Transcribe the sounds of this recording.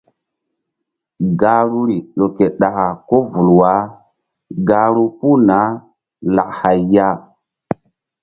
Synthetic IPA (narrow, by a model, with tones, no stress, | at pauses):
ɡa˦ɾu˦ɾi˨ɗo˨ke˨ɗa˨ʔa˨ko˦vu˨lwa˦ | ɡa˦ɾu˦pu˦na˨˦ | la˨ʔha˨jːa˦